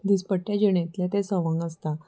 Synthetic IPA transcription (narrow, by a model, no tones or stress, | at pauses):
d̪ispəʈːjad͡ʑəɳ̃ẽt̪lẽt̪esəʋəŋɡəst̪a